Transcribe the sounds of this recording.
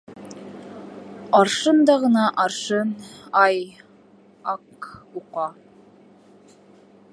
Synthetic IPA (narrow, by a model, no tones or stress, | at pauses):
ɑɾʃɤnd̪ɑʁɤ̆nɑʔɑɾʃɤnɑj | ɑkuqɑ